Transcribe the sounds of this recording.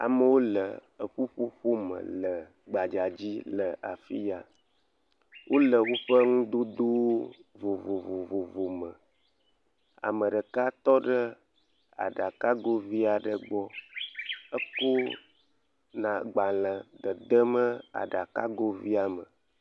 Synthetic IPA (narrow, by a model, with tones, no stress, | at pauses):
a̰˨mə˨wo˦lə̰˨ | ə˨ɸu˦ɸu˦ɸo˦mə̰˨lə˨ | ɡ͡ba˨d͡ʒa˨d͡ʑi˦lə˨ʔa̰˨fi˦ja˨ | wʔo˦lə˨wo˦ɸə˦ŋũ˦d̪o˦d̪o˦vo˨vo˨vo˨vo˨vo˨mə̃˨ | a̰˨mə˨ɖə˨ka˦t̪ɔ˦ɖə˦ | a̰˨ɖa˨ka˦ɡo˦vi˦a˨ɖə˨ɡ͡bɔ˦ | ə˦ko˦ | nã˨ɡ͡ba˨lə̃˨d̪ə˨d̪ə˦mə˦a̰˨ɖa˨ka̰˦ɡo˦vi˦a˨mə˨